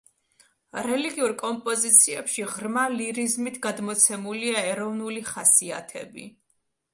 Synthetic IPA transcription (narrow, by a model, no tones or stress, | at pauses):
ɾɛliɡiuɾkʼɔmpʼɔzit̪sʰiɛpʃiʁɾmaliɾizmit̪ʰɡad̪mɔt̪sʰɛmuliaɛɾɔvnuliχasia̰t̪ʰɛ̰bḭ